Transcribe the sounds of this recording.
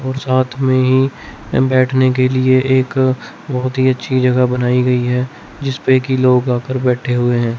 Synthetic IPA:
ɔːɾsaːt̪ʰmẽɦi | bɛːʈʰnekelieʔeːk | bɐɦʊt̪ɦiɐtːʃʰid͡ʒɐɡabɐnaːiɡɐiɦɛ | d͡ʒɪspekiloːɡaːkəɾbɛːʈʰeɦʊeɦɛ̃ː

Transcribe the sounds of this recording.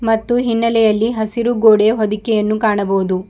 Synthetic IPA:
mɐt̪ːuɦinːɐlɛjɐlːiɦɐsiɾuɡoːɽeɦod̪ikːɛjɐnːukaːɳɐboːud̪u

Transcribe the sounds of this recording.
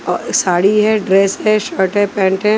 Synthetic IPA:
ɔsaːɽiɦɛɖɾeːsɦɛʃəɾʈɦɛpɛ̃ːɳʈɦɛ

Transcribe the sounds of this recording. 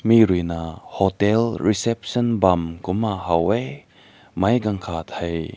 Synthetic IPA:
miɾujnahotɛlɾisɛp̚sɔnbɐmkumahɐwe | mɐjɡɐŋkʰat̪ʰɐj

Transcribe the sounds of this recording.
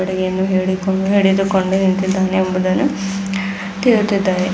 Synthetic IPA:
ɐɽɐɡeɐnːuɦeːɽikoɦeːɽid̪ukoɳɖunint̪id̪ːaːneːmbud̪ɐnːu | t̪iːɾut̪ːid̪ːaːɾe

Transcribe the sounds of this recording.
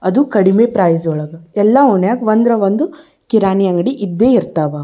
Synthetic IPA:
ɐd̪ukɐɽimeːpɾaːjsɔɭɐɡɐɛlːauɳjaːɡʋɐnd̪ɾɐʋɐnd̪u | kiɾaːnijɐŋɡɐɽiʔid̪ːeːiɾt̪aːʋa

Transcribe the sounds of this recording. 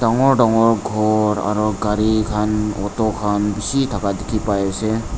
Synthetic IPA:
daŋɔɹdaŋɔɹɡʱɔɾa̰ɾuɡaɾikʰanɔtɔkʰanbisitʰakadekʰipajasɛ

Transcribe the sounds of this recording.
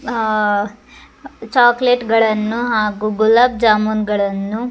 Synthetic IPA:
t͡ʃaːkleʈɡɐɭɐnːuɦaːɡuɡulab̚d͡ʒaːmunɡɐɭɐnːu

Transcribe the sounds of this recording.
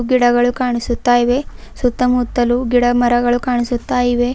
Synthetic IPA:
ɡiɽɐɡɐɭukaːɳisut̪ːaːjiʋe | sut̪ːɐmut̪ːɐluɡiɽɐmɐɾɐɡɐɭukaːɳisut̪ːaːjiʋe̞

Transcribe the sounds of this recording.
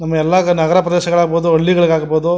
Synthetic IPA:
nɐmːɐɛlːɐnɐɡɐɾɐpɾɐd̪eːɕɐɡɐɭaːɡboːd̪uoɭːiɡɐɭiɡeaːɡɐboːd̪u

